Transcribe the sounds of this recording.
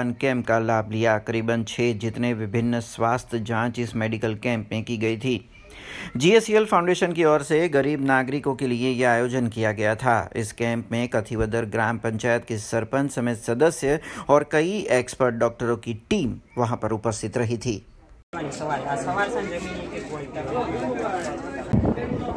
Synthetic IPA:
nkɛ̃ːmp̚kalaːbʱlijakɐɾiːbənt͡ʃʰeːd͡ʒɪt̪neʋɪbʱɪnːswaːst̪ʰəd͡ʒãːt͡ʃɪsmeːɖɪkəlkɛ̃ːmpmẽkiɡɐit̪ʰiː | d͡ʒiːeːsielpʰãʊ̃ɳɖeːʃənkiɔːɾseɡɐɾiːbnaːɡɾɪkõkeliejeaːjoːd͡ʒənkijaɡɐjat̪ʰa̰ːɪ̰skɛ̃ːmpmẽkɐt̪ʰibɐd̪əɾɡɾaːmpɐ̃ɲt͡ʃaːjət̪̚kisɐɾpə̃nt͡ʃsɐmeːt̪sɐd̪əsjəɔːɾkɐieːkspəɾʈ̚ɖɔːk̚ʈəɾõkiʈiːmʋɐɦãpɐɾʊpəst̪ʰɪt̪ɾɐɦit̪ʰiː | aɐʋaɐ̃d͡ʒ

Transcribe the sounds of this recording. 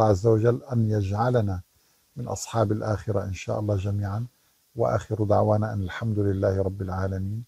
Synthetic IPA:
ɑʕazːawaʒalːʔanjad͡ʒʕalana | mɪnʔɑ̰sˤħɑːbalʔaːxɪɾaʔɪnʃa̰ːʔɑlˤːɑːʒamiːʕan | waʔa̰ːxɪɾd̪aʕwaːnaʔanalħamd̪ʊlɪlːaːhɪɾˤɑbːɪlʕaːlamiːn

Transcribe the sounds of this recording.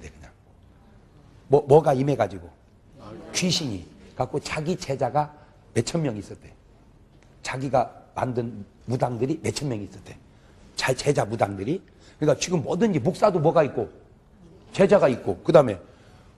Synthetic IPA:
dekɯɲa | mwʌmwʌɡaime̞ɡad͡ʑiɡo | t͡ɕɥiɕʰiɲḭkak͈ʰot͡ɕaɡit͡ɕe̞d͡ʑaɡa | me̞t͡ɕʰʌmjʌŋis͈ʌt͈e̞ | t͡ɕaɡiɡama̰ndɯn | mudaŋdɯɾime̞t͡ɕʰʌmjʌŋiːs͈ʌɭt͈ʰe̞ | t͡ɕat͡ɕe̞d͡ʑamudaŋdɯɾi | kɯɲik͈at͡ɕiɡɯmːʌdɯnd͡ʑimok̚s͈adomwʌɡait̚k͈o | t͡ɕe̞d͡ʑaɡaik͈okɯdame̞

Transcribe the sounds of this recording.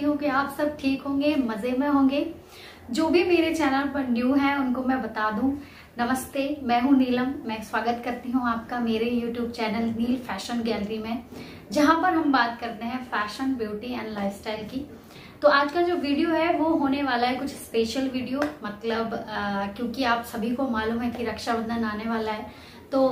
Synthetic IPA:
iɦõkiaːpsɐb̚ʈʰiːkɦõːɡemɐzemẽɦõːŋɡeː | d͡ʒoːbʱimeːɾet͡ʃɛːnəlpɐɾnjuːɦɛʊnkomɛ̃bɐt̪aːd̪ũ | nɐməst̪emɛ̃ːɦũniːləmːɛ̃kswaːɡət̪kɐɾt̪iɦũaːp̚kameːɾejuːʈjuːb̚t͡ʃɛːnəlniːlfɛːʃənɡɛːləɾimẽ | d͡ʒɐɦãpɐɾɦɐmbaːt̪kɐɾt̪eɦɛ̃fɛːʃənbjuːʈɪ̃ɛ̰̃ːɳɖlaːɪʋsʈaːɪlki | t̪oaːd͡ʒkad͡ʒoːʋiːɖijoɦɛʋoɦoːneʋaːlaɦɛkʊt͡ʃʰspeːʃəlʋiːɖijomɐt̪ləbkjõːkiaːpsɐbʱikomaːluːmɦɛ̃kiɾɐkʃabɐ̃nd̪anaːneʋaːlaɦɛː | t̪oː

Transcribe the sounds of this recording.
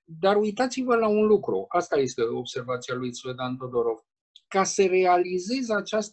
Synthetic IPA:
d̪arujt̪at̪sivəlaunlukɾṵast̪aje̞st̪e̞o̞bse̞rvat̪sialujsved̪ant̪o̞d̪o̞ɾo̞v | kasəre̞alize̞zat͡ʃast̪

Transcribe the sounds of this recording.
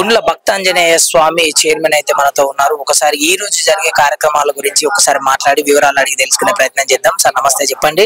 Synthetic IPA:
uɳɖulɐbʱɐk̚t̪ɐɲd͡ʒɐneːjɐsʋaːmit͡ʃeːɾmeːnɐjt̪eːmɐnɐt̪o̞ːunːaːɾuɔkːɐsaːɾiiːɾoːd͡ʒud͡ʒɐɾiɡeːkaːɾjɐkɾɐmaːlɐɡuɾiɲt͡ʃiɔkːɐsaːɾimaːʈlaːɽiʋiʋɐɾaːlɐɽiɡit̪e̞lusu̥kune̞ːpɾɐjɐt̪nɐmt͡ʃɛːd̪aːmsaːɾnɐmɐst̪ʰeːt͡ʃɛpːɐɳɖi

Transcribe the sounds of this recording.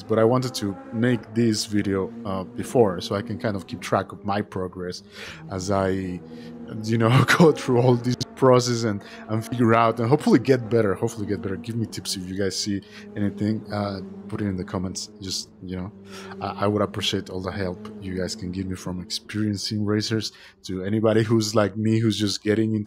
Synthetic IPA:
zb̥ʌɾaɪwɑ̃ntɨd̚tʰɨmeɪk̚ðɪsvɪɾioʊʌbɨfɔɹsoʊaɪkɨ̃nkʰãɪ̃ndʌv̥kʰip̚tʰɹ̥ækʌvmaɪpʰɹ̥ɑɡɹɛs | əzaɪ | jɨnoʊɡ̥oʊθɹuɔlˠðiz̥pʰɹ̥ɑs̬ɛs̬ɨ̃n | ɨ̃nfɪɡjə˞aʊtɨ̃nɦoʊpfl̩ˠiɡɛt̚b̥ɛɾə˞hoʊpfl̩ˠiɡɛt̚b̥ɛɾə˞ɡɪvmitʰɪpsɨfjɨɡaɪz̥si | ɛñiθɪ̃ŋʌpʰʊɾɪ̃ɾɨ̃nðɨkʰɑmɛ̃ntsd̥d͡ʒ̥ʌst̚jɨnoʊ | aʔaɪwəɾəpɹ̥iʃeɪɾɔlˠðəhɛlˠpjɨɡaɪz̥kʰɨ̃nɡɪvmifɹʌ̃mɨkspɪɹiɨ̃nsɪ̃ŋɹeɪsə˞z̥ | tʰɨɛñibɑɾiɦuzlaɪk̚mihuzd͡ʒʌsɡ̥ɛɾɪ̃ŋɪ̃n

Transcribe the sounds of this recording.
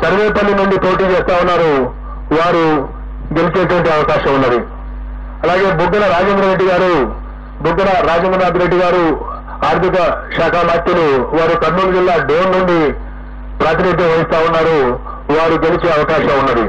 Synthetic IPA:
sɐɾʋeːɐpɐlːinuɳɖipo̞ːʈiːt͡ʃɛːst̪aːwunːaːɾu | ʋaːɾu | ɡe̞lit͡ʃeːʈ̬uʋɐɳʈiɐʋɐkaːʃɐmunːɐd̪i | ɐlaːɡe̞ːbʱuɡːɐnɐɾaːd͡ʒeːnd̪ɾɐɾeɖːiɡaːɾu | buɡːɐnɐɾaːd͡ʒend̪ɐnaːd̪uɾeɖːiɡaːɾu | aːɾt̪ʰikɐʃaːkʰaːmaːt̪juluʋaːɾuk̪ɐɾnuːlud͡ʒilːaːɖ̪eːnnuɳɖi | pɾaːt̪inid̪ʱɐʋɐjist̪aːwunːaːɾu | ʋaːɾuɡe̞lit͡ʃeːɐʋɐkaːʃɐunːɐd̪i

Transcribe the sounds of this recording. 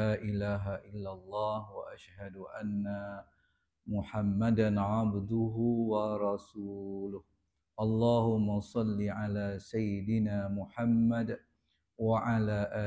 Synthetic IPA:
aːʔɪlaːɦaʔɪlːalˤːɑːhwaʔaʃhad̪ʊʔanːa | mʊħamːad̪anʕabd̪ʊɦʊwɑɾˤɑsuːlʊh | ʔɑlˤːɑːhʊmːasˤɑlːiʕalaːsajːɪd̪ɪnaːmʊħamːad | waʕalaːʔaː

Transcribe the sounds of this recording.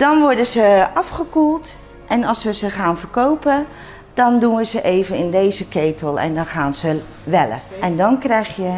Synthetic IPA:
d̥ɔnʋʊɹdəzəʔɑfχəkulˠt | ʔɛnɑlˠsʋəzəχaːnvərkowpə | d̥ɔndunʋəzəʔeːvənɪndejzəkeːtʰəlˠɛ̰ndɔnχaːnz̥ə | ʋɛlə̰ɛndɔnkrɛjxjə

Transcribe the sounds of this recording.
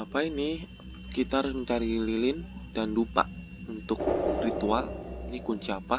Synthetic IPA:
apaini | kit̪aɾəŋt͡ʃaɾililɪnd̥andupa̰ʔ | unt̪ʊk̚rit̪ualiniɡuɲt͡ʃapa

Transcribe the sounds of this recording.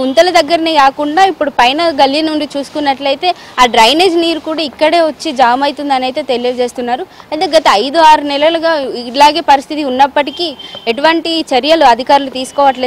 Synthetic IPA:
unt̪ɐlɐd̪ɐɡːɐɾɐneːkaːkuɳɖaːipːuɽupɐjnɐɡɐljɐnuɳɖit͡ʃuːsu̥kunːɐʈlɐjt̪e̞ː | aːɖɾɐjne̞ːd͡ʒniːɾukuːɽaːikːɐɽe̞ːʋot͡ʃːid͡ʒaːmɐjt̪und̪ɐnɐjt̪e̞ːt̪elijɐd͡ʒe̞ːst̪unːaːɾuɐjt̪eːɡɐt̪ɐɐjd̪uaːɾunɛlɐlɐɡaːilaːɡeːpɐɾist̪ʰit̪iunːɐpːɐʈikieʈuʋɐɳʈit͡ʃɐɾjɐluɐd̪ʱikaːɾulut̪iːsu̥kɔːʋɐʈle

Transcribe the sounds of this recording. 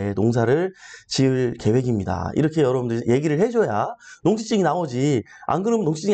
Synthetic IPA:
enoŋsʰaɾɯɭt͡ɕiɯɭke̞we̞ɡimɲida̰ḭɾʌkʰe̞jʌɾʌbundɯɾje̞ɡiɾɯɭhe̞d͡ʑojanoŋɕʰi̥t͡ɕ͈iŋinawʌd͡ʑia̰nɡɯɾɯmnoŋɕʰi̥t͡ɕ͈iŋi

